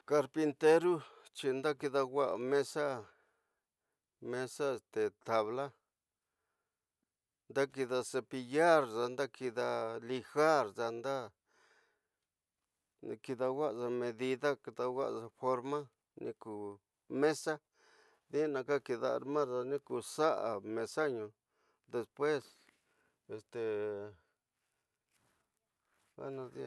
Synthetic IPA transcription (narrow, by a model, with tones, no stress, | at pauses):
ka˧ɾpi˧nt̪e˦ɾu˦t͡ʃi˧nd̪a˦ki˧ða˧ɡʷa˦ʔa̰˨mẽ˦sa˦ | mẽ˦sa˦e˨st̪e˨t̪a˨βla˦ | nd̪a˦ki˧ða˧se˧pi˧ja˦ɾza˧nd̪a˦ki˧ða˧li˧xa˦ɾza˧nd̪a˦ | nĩ˧ki˧ða˧wa˦ʔʐa˧mẽ˧ði˧ða˦ki˧ða˧wʷa̰˦ʔʐa˧fo˧ɾmã˦ | nḭ̃˧ku˨ | mẽ˦sa˦ | ði˦nã˧ka˦ki˧ða˧a̰˨ɾmã˦ɾza˧nĩ˦ku˧˨sa˦ʔa̰˨mẽ˧sa˦ɲũ˧ | d̪e˧spwe˦s | e˨st̪e˨ | a̰˦nã˧ði˧